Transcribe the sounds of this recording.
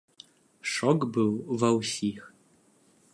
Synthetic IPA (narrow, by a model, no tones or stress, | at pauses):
ʂɔkbɨwvɐwsix